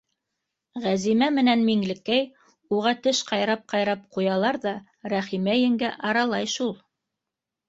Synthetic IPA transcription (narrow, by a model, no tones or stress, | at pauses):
ʁæzimæmɘ̆nænmiŋlɘ̆kːæj | uʁɑt̪ɘʃqɑjɾɑp̚qɑjɾɑp̚qujɑlˠɑɾðɑ | ɾæχimæjɘ̆ŋɡæʔɑɾɑlˠɑjʃulˠ